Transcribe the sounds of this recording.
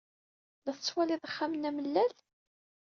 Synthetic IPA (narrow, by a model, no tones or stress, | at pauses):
læθət͡sːwæliðˤəχːamənæməlːæl